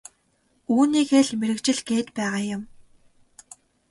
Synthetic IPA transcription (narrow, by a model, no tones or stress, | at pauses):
uːniːkeːɮmeɾɘ̆kt͡ɕɪ̆ɮɡeːt̪pæːʁaːjʊ̆m